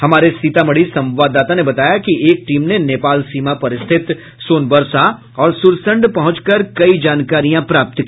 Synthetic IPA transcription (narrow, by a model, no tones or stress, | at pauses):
hɐmaːɾesiːt̪amɐɽisɐ̃mʋaːd̪ːaːt̪anebɐt̪aːjakiʔeːk̚ʈiːmneneːpaːlsiːmapɐɾɪst̪ʰɪt̪ | soːnbəɾsa | ɔːɾsʊɾsə̃ɳɖpɐɦʊ̃t͡ʃkəɾkɐid͡ʒaːnkaːɾijãpɾaːp̚t̪ki